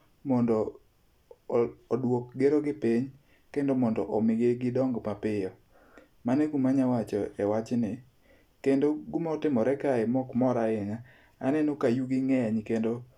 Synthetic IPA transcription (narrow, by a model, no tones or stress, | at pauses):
mɔndɔ | dwok̚ɡeɾoɡɪpɪɲ | kendomɔndɔʔɔmɪɡeɡɪdɔŋɡmapɪjɔ | manɛɡumaɲawat͡ʃɔɛwat͡ʃnɪ | kendoɡumaɔtɪmɔɾɛkaɛmɔkmɔɾaɪŋa | anɛnokajuɡɪŋɛɲkendo